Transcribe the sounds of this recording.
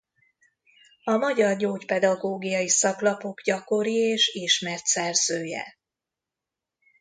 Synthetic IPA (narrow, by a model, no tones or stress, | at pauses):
ɒmɒɟɒrɟoːcpɛd̪ɒɡoːɡijɒjisɒklɒpo̞ɡɟɒko̞ɾieːʃiːʃmɛrt̪sɛrz̥øːjɛ̰